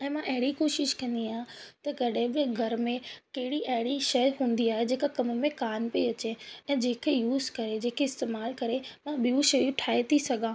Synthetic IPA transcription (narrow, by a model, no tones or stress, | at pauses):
ɛ̃ːmãʔɐɦɪɽikoːʃɪʃkɐ̃nd̪iaːjãt̪ɐkɐɗɦɪ̃ɓɪɡʱɐɾmẽkɐɦɪɽiʔɐɦɪɽiʃɐjɦũːn̆d̪iaːɦed͡ʑeːkakɐm̆mẽkaːnpeiɐt͡ɕeɛ̃ːd͡ʑeːkʰejuːzkɐɾed͡ʑeːkʰeɪst̪eːmaːlkɐɾemãɓiũʃɐjuʈʰaːet̪ʰisɐɡʱãː